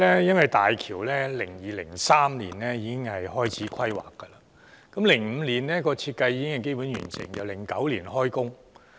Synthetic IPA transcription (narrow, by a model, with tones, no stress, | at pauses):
lɛː˥jɐ˥nwɐ˨jt̪aː˨jkʰiː˨˩wlɛː˥lɪ˨˩ŋjiː˨lɪ̰˨˩ŋsaː˥mliː˨˩nlɛː˥jiː˨˧˥kɪ˥ŋhɐ˨jɦɔː˥jt͡sʰiː˨˥kʰɐ˥jwa̰ː˨kːə˧lɐː˨ | kɐ˨˥mlɪ˨˩ŋm̩ː˨˧liː˨˩nlɛː˥kɔː˧t͡sʰiː˧t̚kɐ˧jiː˨˧kɪ˥ŋhɐ˨jke˥jpuː˨˥njy̰ː˨˩nsɪ̰˨˩ŋjɐ̰˨wlɪ˨˩ŋkɐ˨˥wliː˨˩nhɔː˥jkʊ˥ŋ